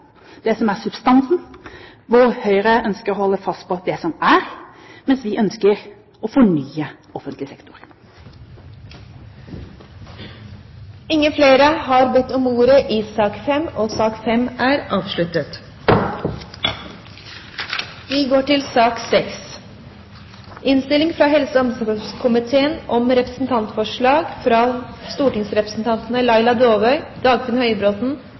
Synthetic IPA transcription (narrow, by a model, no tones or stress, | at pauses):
d̪̥ɛsɔmæːʁsʉbst̪ɑnsn̩ | ʋoːɾhœʏɾəʔœnskəɾoːhɔlːəfɑst̪̚pʰɔd̪ɛsɔmæːɾmɛnsʋɪʔœnskəɾ | ɔfɔɳyːə | ɔfənt̪lɪsɛkt̪ʊɾ | ɪŋːəfleːɾəhɑːɾbɛt̪ːɔmuːɾəʔiːsɑːkfɛmoːsɑːkfɛmæːɾʔɑːʋʃɭʉt̪ət̪ | ʋiːɡoːʈɪlsɑːksɛks | ɪnst̪ɪlɪŋfɾɑːɦɛlsəɔmsəɔskʰʊmɪt̪ʰeːənʔɔmɾɛpɾəsn̩t̪ʰɑnt̪fɔʂɭɑːɡfɾɑːst̪uːʈɪŋsɾɛpɾəsn̩t̪ʰɑnt̪n̩əlɑɪlɑd̪oːʋœʏd̪̥ɑːɡfɛnhœʏəbɾoːt̪n̩